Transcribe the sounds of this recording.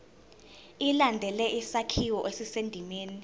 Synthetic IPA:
ilandʱɛlɛʔisakʰiwɔʔesisendʱimeːni

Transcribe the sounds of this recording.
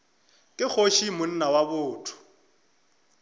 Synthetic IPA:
kʼɪk͡xoʃimʊn̩nawabʊːtʰʊ̥

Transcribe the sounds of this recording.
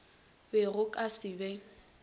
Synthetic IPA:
bɛrʊkʼasɪbɛ

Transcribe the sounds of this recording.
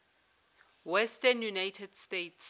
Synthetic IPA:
wɛstənjunajtʰɛdstetʰs

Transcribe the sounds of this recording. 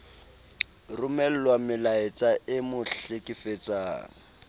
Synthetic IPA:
rʊmɛl̩lwamɪlaɪt͡sʼaʔɪmʊɬekʼɪfet͡sʼa̰ːŋ̩

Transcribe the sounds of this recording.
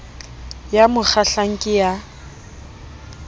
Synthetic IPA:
jamʊk͡xaɬaŋ̩kʼɪja

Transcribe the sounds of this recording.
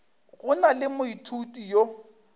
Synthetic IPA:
ɣʊnalɪmʊitʰutʼijo

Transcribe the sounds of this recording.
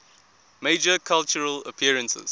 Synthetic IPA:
meɪd͡ʒəkʰalt͡ʃəɹələpʰiəɹə̃nsə̰z̥

